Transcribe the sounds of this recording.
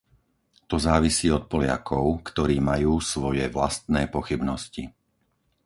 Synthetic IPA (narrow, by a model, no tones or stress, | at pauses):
t̪ɔzaːʋisiːɔt̪̚pɔlɪa̰kʰɔʊkt̪ɔɾiːmajuːsʋɔjɛʋla̰st̪nɛːpɔxibnɔsci